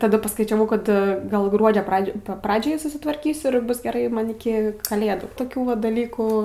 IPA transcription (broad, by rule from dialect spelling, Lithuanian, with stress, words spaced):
tɐˈdɐ pɐskɐɪt͡ʃʲɛˈʋɐʊ kɐt ˈɡɐlˠ ˈɡruɔd͡ʒʲoː ˈprɑːd͡ʒʲoːj ˈprɑːd͡ʒʲɛɪ sʊsʲɪtʋɐrʲˈkʲiːsʲʊ ɪr ˈbʊs ɡʲɛˈrɐɪ ˈmɐn ɪˈkʲɪ kɐˈlʲeːduː toːˈkʲuː ʋɐ dɐˈlʲiːkuː